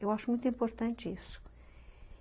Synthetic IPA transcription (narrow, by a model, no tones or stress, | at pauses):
ewaʃumũj̃t̪ĩmpoɾt̪ɐ̃nt͡ʃisʊ̥